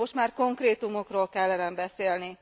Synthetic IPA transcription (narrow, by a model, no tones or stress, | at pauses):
o̞ʃt̪maːrko̞ŋkreːt̪umo̞kroːlkɛlːɛnɛmbɛseːlni